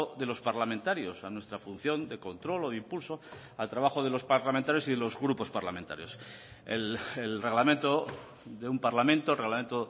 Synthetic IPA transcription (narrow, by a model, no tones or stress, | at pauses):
oðe̞lo̞spaɾlamẽnt̪aɾjosanwe̞st̪ɾafun̟θjo̞nd̪e̞ko̞nt̪ɾo̞loðimpulso̞ | alt̪ɾaβaxo̞ðe̞lo̞spaɾlament̪aɾjo̞siðelo̞zɣɾupo̞spaɾlament̪a̰ɾjo̞s | ḛlelreɣlamẽnt̪o | ðe̞umpaɾlamẽ̞nt̪olreɣlamẽ̞nt̪o